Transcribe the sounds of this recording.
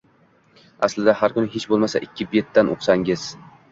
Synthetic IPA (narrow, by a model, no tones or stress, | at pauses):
aslɪd̪ahaɾkʊnɪɦet͡ʃbolˠmasa̰ʔɪkʲʰːɪbet̪ːanʔo̰qsaŋɪz̥